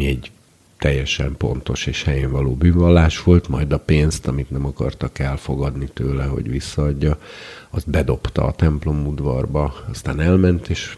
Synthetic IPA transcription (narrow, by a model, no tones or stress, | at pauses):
miɛɟ | t̪ɛjːɛʃɛmpo̰n̪t̪o̞ʃeːʃhɛjeːɱvɒloːbyːvɒlːaːʃʋo̞lt̪mɒjd̪ɒpeːnst̪ɒmit̪nɛmɒkɒ̰rt̪ɒkɛlfo̞ɡɒd̪nit̪øːlɛɦo̞̰ɟʋisːɒːɟːɒɒzt̪bɛd̪o̞pt̪ɒ̰ːt̪ɛmplo̞mud̪vɒrbɒɒst̪aːnɛlmɛnt̪eːʃ